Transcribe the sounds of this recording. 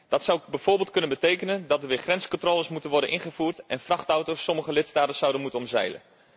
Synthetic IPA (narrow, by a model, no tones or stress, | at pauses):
d̥ɑtsʌwbɛjv̥ʊːɹbɪːlˠt̚kɵnənbətejkənəndɑtəɹʋɪːχrɛnskɔntroːləsmutənʋɔɹdənʔɪnχəvuːrtʔɛnfrɑχtɔwtowsːɔməχəlɪtstaːtəsʌwdənmutənɔmzɛ̰jlə̰n